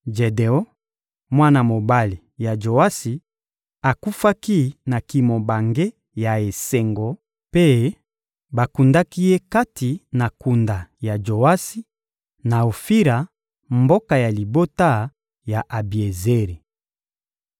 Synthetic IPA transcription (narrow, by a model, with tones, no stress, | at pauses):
d͡ʒe˨de˨ɔ˦ | mwa˦na˨mo˨ba˦li˨ja˨d͡ʒo˨wa˦si˨ | a˨ku˦fa˦ki˦na˨ki˨mo˨ba˨ŋɡe˦ | ja˨e˨se˨ŋɡɔ˨ | pe˦ | ba˨ku˨nda˦ki˦je˦ka˦ti˨na˨ku˨nda˨ja˨d͡ʒo˨a˦si˦ | na˨o˨fi˦ɾa˨ | mbo˦ka˨ja˨li˨bo˦ta˦ | ja˨ʔa˨bi˨e˨ze˦ɾi˨